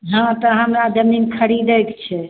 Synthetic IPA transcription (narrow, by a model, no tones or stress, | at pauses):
ɦãt̪ɔɦãmɾad̪əmiŋɡkʰəɾid̪əjkt͡ʃʰɛ